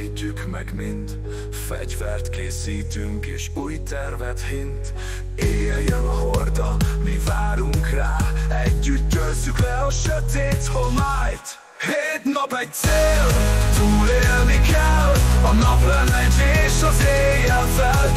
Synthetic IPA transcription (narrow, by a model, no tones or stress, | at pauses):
ɟːykmɛ̰ɡmind̪ | fɛ̰ɟvɛrt̪keːsiːt̪yŋkeːʃuːjt̪ɛrvɛt̪hint̪ | eːljɛnɒɦord̪ɒmivaːɾuŋkraːɛɟːyt̪̚ɟølsykɛɒʃøt̪eːt̪homaːjt̪ | heːt̪nɒpɛɟ̚t̪seːlt̪uːleːlnikɛlɒnɒplɛnɛd̪eːʃɒzeːjɛvɛl